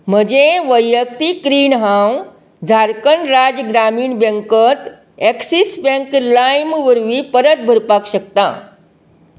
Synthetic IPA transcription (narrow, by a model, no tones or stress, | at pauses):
m̤əd͡ʑeʋəjːək̚t̪ikɾiːnɦãw | d͡zʱaɾkəɳɾad͡ʑɡɾamiːɳbə̃ŋkət̪ | ɛksisbə̃ŋklajmʋəɾʋiːpəɾət̪̚bʱəɾpakɕəkt̪ã̰